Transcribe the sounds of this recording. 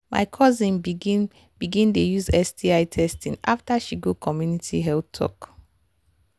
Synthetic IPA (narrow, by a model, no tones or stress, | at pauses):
ma̰ɪkʰɔzĩn | b̥iɡĩndejuzɛsdiaɪtʰɛstĩnaftaʃiɡokʰɔmjunitʰiɦɛltʰɔ̰k